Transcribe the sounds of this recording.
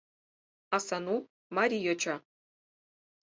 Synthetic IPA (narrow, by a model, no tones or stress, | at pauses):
ɑsɑnu | maɾʲijot͡ɕa